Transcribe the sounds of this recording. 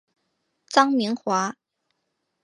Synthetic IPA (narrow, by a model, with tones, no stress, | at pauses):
t͡sɑ˥ŋmi˧˥ŋxwa˧˥